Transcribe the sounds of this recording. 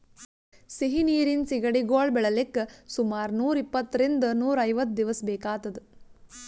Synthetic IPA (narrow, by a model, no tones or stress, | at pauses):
siɦiniːɾinsiɡɐɽiɡoːɭbɛɭɐlekːɐsumaːɾnuːɾipːɐt̪ːɾind̪ɐnuːɾɐjʋɐt̪̚d̪iʋɐsbɛːkaːt̪ɐd̪u